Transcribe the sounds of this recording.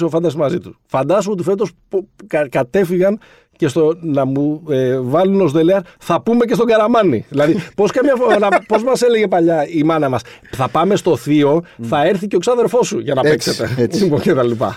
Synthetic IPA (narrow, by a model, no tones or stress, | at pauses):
sofɐnd̪ɐsimɐzit̪u̥sfɐnd̪ɐsuo̞t̪ife̞t̪̬o̞spkkɐt̪e̞fiɣɐn | ce̞st̪onɐmuevɐluno̞zðeleɐɾθɐpume̞cest̪oɡɐɾɐmɐnḭðilɐðipo̞skɐmɲɐfnɐpo̞zmɐse̞leʝe̞pɐʎɐimɐnɐmɐs | θɐpɐme̞st̪o̞θio̞θɐe̞ɾθiceksɐðeɾfo̞suʝɐnɐekset̪ḛocet̪ɐlipɐ̰